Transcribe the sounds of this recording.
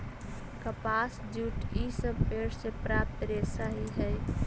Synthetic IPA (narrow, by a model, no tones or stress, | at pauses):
kəpasd͡ʒuːʈisəbpeɽsepɾap̚t̪ɾesaɦiɦəj